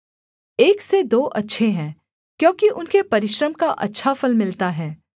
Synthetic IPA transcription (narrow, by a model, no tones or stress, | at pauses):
eːksed̪oːʔɐtːʃʰeɦɛ̃ː | kjõːkiʔʊnkepɐɾɪʃɾəmkaʔɐ̰tːʃʰafɐlmɪlt̪aɦɛː